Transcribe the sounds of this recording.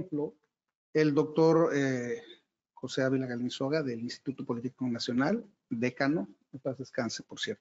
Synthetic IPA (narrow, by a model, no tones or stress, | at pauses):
mplo | e̞ld̪o̞k̚t̪o̞ɾe | xo̞se̞aβilaɣalinsoɣaðe̞linst̪i̥t̪ut̪opo̞lit̪ikonasjo̞nal | d̪ekano | epazeskansepoɾsjeɾt̪o